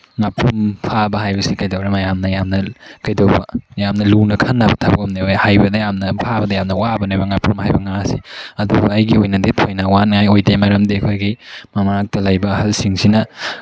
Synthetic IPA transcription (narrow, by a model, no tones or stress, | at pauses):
ŋapːumpʰabɐɦajbɐsikɐjdɐwɾɐmɐjamnɐjamnɐkɐjdɐwbɐ̰jamnɐlunɐkʰɐnːabɐtʰabɐkɐmnebɐhajbɐdɐjamnɐpʰabɐdɐjamnɐwabɐnebɐŋapumhajbɐŋasiɐdubɐɐjɡiojnɐdetʰojnɐwanŋajojtemɐɾɐmdiɐkʰojɡimɐmɾak̚tɐlɐjbɐːhɐlsiŋsinɐ